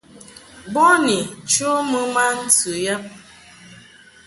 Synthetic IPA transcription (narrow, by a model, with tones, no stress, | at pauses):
bɔ˦ni˨t͡ʃo˦mɨ˦ma˦n̩˦tʰɨ˨ja˦p̚